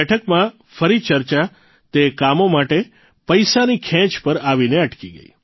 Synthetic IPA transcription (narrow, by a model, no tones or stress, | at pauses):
ɛʈʰəkmã | fəɾit͡ʃəɾt͡ʃa | t̪ekamomaʈe | pəjsanikʰɛ̃t͡ʃpəɾaʋineəʈkiɡə̰ḭ